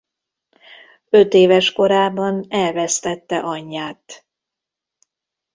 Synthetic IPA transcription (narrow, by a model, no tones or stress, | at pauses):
ø̞t̪eːvɛʃko̞ɾaːbɒnɛlvɛst̪ɛt̪ːɛʔɒɲːaːt̪